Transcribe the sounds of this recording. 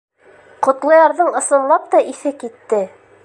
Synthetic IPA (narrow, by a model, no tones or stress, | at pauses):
qŏt̪lˠɤ̆jɑɾðɤɴɤ̆sɤ̆nlˠɑp̚t̪ɑʔiθɘkit̪ːɘ